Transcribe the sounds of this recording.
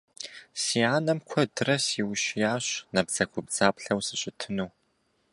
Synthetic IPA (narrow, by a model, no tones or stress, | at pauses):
siːaːnɐmkʷʰɔdɨrɐsiwɕjaːɕnɐbz̥ɐɡʷʊb̚d͡zaːpɬɐwsɨɕʼɪtʰɨnuː